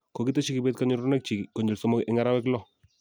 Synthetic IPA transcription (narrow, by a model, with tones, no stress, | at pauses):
ko˨kɪ˦tɛ˦t͡ʃi˦kɪ˨betka˦ɲʊ˦ɾu˦nɛ˦k̚t͡ʃi˨kko˨ɲi˨lsɔ˦mɔ˦ʔɪ˦ŋa˦ɾa˦wɛ˦klɔ˦˨